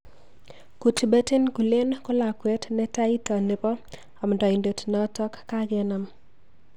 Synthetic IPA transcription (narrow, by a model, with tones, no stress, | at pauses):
ku˨ti˨be˦te˦nku˨le˦nkʊ˦la˨kwɛ˦tnɛ˦ta˦i˦ta˨ne˨pɔ˦ | ɔ˨mndɔ˨i˨nde˨tnɔ˦tɔ˦kːa˦ɡɛ˨˦na˨m